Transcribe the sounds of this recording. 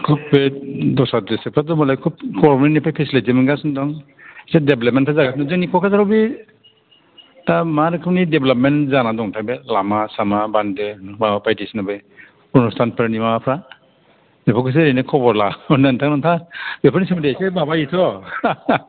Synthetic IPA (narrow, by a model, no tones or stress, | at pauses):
kʰubbedɔsatesepʰadɔmɔlajkʰub̚kɔɾbɔnenipʰajpʰesleimɯɡasndɔŋ | sadeblɔp̚mentʰazaɡasnɔzɯŋnikʰɔkʰazaɾɔbi | tamaɾɯkʰɯmnideblap̚mentzanadɔŋtʰajbelamasamabandemapajtisnabɯj | unustʰanpʰeɾnimaapʰɾa | mepʰɔkʰɯs̬eɾejnɯkʰɔbɔɾlaɔndantʰaknɔntʰabepʰɾnisimdesebabaitʰɔ